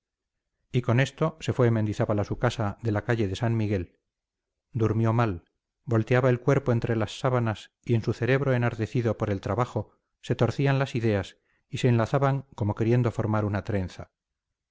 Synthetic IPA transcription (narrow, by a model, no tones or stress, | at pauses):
iko̞ne̞st̪o̞se̞fweːmend̪iθaβalasukasaðe̞lakaʝe̞ðe̞sanmiɣe̞l | d̪uɾmjo̞mal | bo̞lt̪e̞aβae̞lkwe̞ɾpo̞e̞nt̪ɾe̞lasːaβanas | ie̞nsuθe̞ɾe̞βɾo̞e̞naɾt̪e̞θiðo̞poɾe̞lt̪ɾaβaχo | se̞t̪o̞ɾθianlasiðe̞as | ise̞ːnlaθaβaŋko̞mo̞ke̞ɾje̞nd̪o̞fo̞ɾmaɾunat̪ɾe̞nθa